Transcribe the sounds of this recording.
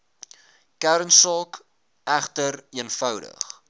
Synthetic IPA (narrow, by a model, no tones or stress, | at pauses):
kæɾənsɑːk | æχtəɾiənfœwdə̰χ